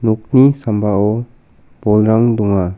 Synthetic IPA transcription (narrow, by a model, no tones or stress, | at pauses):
nuk̚nisambaɔ | b̥ɔlɾaŋduŋa